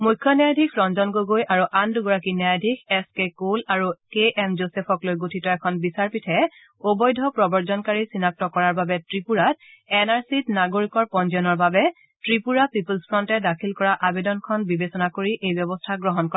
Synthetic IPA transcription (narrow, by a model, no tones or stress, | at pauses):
mujkʰːjɔnjajdʱikʰɹɔnzɔnɡoɡojʔaɹuʔanduɡɔɹakinjajadʱikʰɛskekolaɹukeɛmzosɛpʰɔklojɡotʰitɔɛkʰɔnbisaɹpitʰɛ | obɔjdʱɔpɹɔbɔɹzɔnkaɹisinak̚tɔkɔɹaɹbabɛtɹipuɹatɛnaɹsitnaɡoɹikɔɹpɔnziɔnɔɹbabɛ | tɹipuɹapipulspʰɹɔntɛdakʰilkɔɹaʔabedɔnkʰɔnbibesɔnakoɹiʔejbjɔbɔstʰaɡɹɔɦɔnkɔ